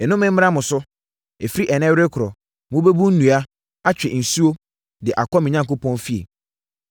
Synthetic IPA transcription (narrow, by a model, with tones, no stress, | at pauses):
ɛ˨nʊ̃˦mɪ̃˦m̩˦a˦mʊ̃˨sʊ˦ | ɛ˨fi˦ɾi˦ʔɛ˨nɛ̃˦wɾe˦kʰʊ˨ɾɔ˨ | mʊ̃˦be˦bu˦n̩˦nũ˨a˦ | a˦t͡ɕᶣɛ˨n̩˨su˦o˦ | dɪ˨ʔa˨kɔ˦mɪ̃˨ɲã˦ŋkʊ˦pʰɔ̃˦nfi˦ḛ˨